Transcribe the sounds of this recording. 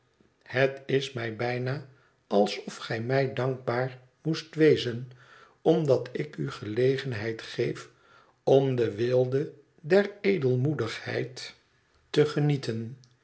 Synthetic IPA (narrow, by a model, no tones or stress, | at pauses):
hətɪsmɛjbɛjna | ɑlˠsɔfχɛjmɛjdɑŋɡ̚baːɹ | mustʋejzən | ɔmdɑtɪkyχəlejχənɦɛjtχejf | ɔmdəʋɪlˠdə | dɛɹejdəlˠmudəχhɛ̰jtː | əχənitən